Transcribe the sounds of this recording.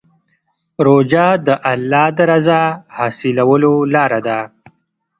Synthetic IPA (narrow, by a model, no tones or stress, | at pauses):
ɾod͡ʒɑd̪əʔalːɑd̪əɾazahɑsilawəlolɑːɾad̪a